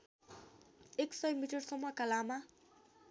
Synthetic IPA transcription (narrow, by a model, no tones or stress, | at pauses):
eksʌjmiʈʌrsʌmʌkalama